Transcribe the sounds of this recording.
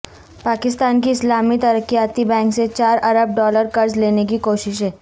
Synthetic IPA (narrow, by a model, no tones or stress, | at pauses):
paːkɪst̪aːnkiɪslaːmit̪ɐɾəkːijaːt̪ibɛ̃ːŋkset͡ʃaːɾɐɾəb̚ɖɔːləɾkɐɾzleːnek̬ikoːʃɪʃɦɛː